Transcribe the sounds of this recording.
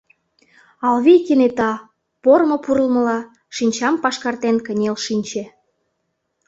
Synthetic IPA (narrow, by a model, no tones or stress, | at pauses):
ɑlβijkenet̪ɑ | pormŏpuɾəlmə̆lɑ | ʃinʲt͡ɕɑmpɑʃkɑrt̪enkə̆nʲelʃinʲt͡ɕe